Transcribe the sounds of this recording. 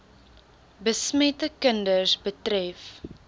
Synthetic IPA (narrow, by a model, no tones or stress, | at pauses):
bəsmɛtəkəndərsbətrɛf